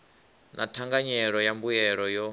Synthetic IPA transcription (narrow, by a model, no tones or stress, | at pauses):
nʔa̰tʰaŋɡaɲɛɺɔjambujɛɺɔjɔ